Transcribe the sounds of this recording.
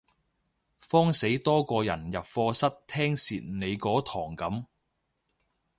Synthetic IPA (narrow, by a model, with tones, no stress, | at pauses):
fɔː˥ŋse˨˥jt̪ɔː˥kɔː˧jɐ̰˨˩njɐ˨p̚fɔː˧sɐ˥t̚t̪ʰɛː˥ŋsiː˨t̚ne˨˧jkɔː˨˥t̪ʰɔː˨˩ŋkɐ˨˥m